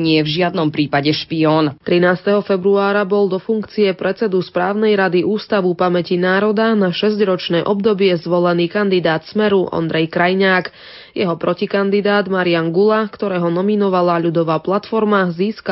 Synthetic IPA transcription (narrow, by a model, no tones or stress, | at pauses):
ɲɪɛvʒɪad̪nɔmpɾiːpaɟɛʃpiɔːnt̪ɾinaːst̪ɛɦɔfɛbɾuaːɾabɔlˠd̪ɔfuŋkt͡siɛpɾɛt͡sɛd̪uspɾaːʊnɛjɾad̪iʔuːst̪aʋupamɛcinaːɾɔd̪anaʃɛzɟɾɔt͡ʃnɛːʔɔbd̪ɔbɪɛzʋɔlɛniːkand̪id̪aːt̪smɛɾuʔɔ̰nd̪ɾɛjkɾajɲaːk | jɛɦɔpɾɔcikand̪id̪aːd̪maɾianɡulakt̪ɔɾɛːɦɔnɔminɔʋalaʎud̪ɔʋaːplat̪fɔɾmaziːska